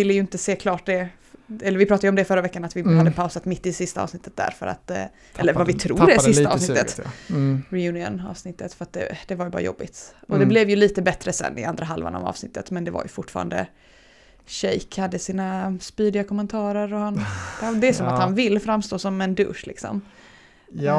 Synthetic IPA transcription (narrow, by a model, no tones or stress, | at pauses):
ɪlːəjɵɪnt̪əseːkʰlɑːʈ̚d̪ɛ | ɛlːɾvɪpɾɑːt̪ajəɔmd̪ɛfœɾːavɛkːanat̪vɪhad̪ːəpʰaʊsat̪mɪt̪ːɪsɪst̪aɑ̰vsnɪt̪ːət̪̚d̪æ̰ɾfœɾa̰t̪ | ʔɛlːəɾvavɪt̪ʰɾṵːɛsɪst̪aɑ̰ːvsnɪt̪ːət̪ | ɾɪjʉːnɪə̰nɑ̰ːvsnɪt̪ːət̪fœɾat̪̚d̪ɛ̰d̪̥ɛvaɾjbɑːɾajɔ̰bːɪt̪ɔd̪ɛblɛvjɵliːt̪əbɛt̪ɾəsɛ̰nːʔɪ̰ʔand̪ɾaɦalva̰na̰vɑ̰ːvsnɪt̪ːət̪mɛnd̪ɛva̰ɾjɵ̰fʊʈːfɑːɾand̪ə̰ | ɕɛjkhad̪ːəsiːnaspyːd̪ɪakʰɔmːɛnt̪ʰɑːɾəɾɔhand̪ɛd̪ɛæsɔmahanvɪlːfɾamːst̪oːsɔmɛnd̪ɵ̰ʂlɪ̰ksɔ̰m